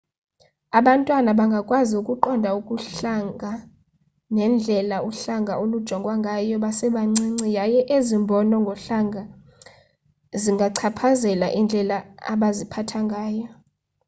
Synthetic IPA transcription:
aɓantʼwanaɓaŋɡʱakʼwaziukʼuǃɔndʱaukʼuɬaŋʱa | nɛnd͡ɮʱɛlauɬaŋɡʱaolud̥ʒ̥ʱɔŋɡʱʼwaŋɡʱajɔɓasɛɓaŋ͡ǀiŋ͡ǀijajɛʔezimbʱɔnɔŋɡʱɔɬaŋɡʱa | ziŋɡʱaǀʰapʰazɛlaʔind͡ɮʱɛlaa̰ɓazipʰatʰaŋɡʱaːjɔ

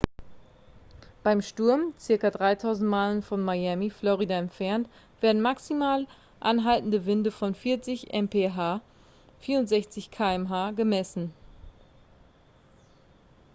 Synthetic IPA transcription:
b̥aɪmʃtʊɐmt͡sɪɐkɐdʁaɪtʰaʊzn̩t̚maːlənfɔnmajɛmiflɔʁidaɛntfɛɐnt | v̥eːɐdn̩maksimaːl | ʔanɦaltn̩dəvɪndəfɔnfɪɐt͡sɪçʔɛ̰mpʰeːɦaː | fiːɐʊntz̥ɛçt͡sɪçkʰaːɛmɦaːɡəmɛsn̩

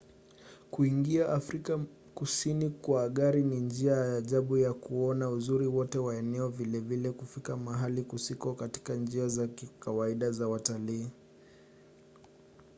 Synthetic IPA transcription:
kuiŋɡiaʔafɾika | kusinikwaːɠaɾinind͡ʒiajajaʄaɓujakuɔnauzuɾiwɔtɛwaɛnɛɔvilɛvilɛkufikamaɦalikusikɔkati̥kand͡ʒiazakikawaiɗazawataliː

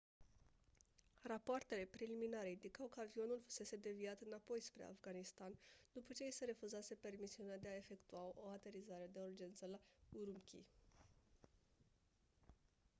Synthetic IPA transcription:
rapoart̪e̞le̞pɾeliminaɾe̞ind̪ikawkəavio̞nulfu̥se̞se̞d̪e̞viat̪ɨnapo̞jspɾe̞̰a̰fɡanist̪and̪upət͡ʃe̞isəɾe̞fuzase̞pe̞rmisiunead̪eae̞fe̞kt̪uao̞at̪e̞ɾizaɾed̪e̞urd͡ʒe̞nt̪səlauɾumkʲḭ

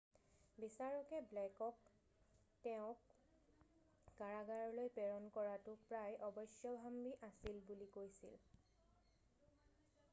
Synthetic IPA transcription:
bisaɹɔkɛblɛkɔk | tɛʊ̃k | aɹaɡaɹlojpɛɹɔnkɔɹatʊpɹajʔɔbɔjsjɔbʱambiʔasilbulikojsḭl

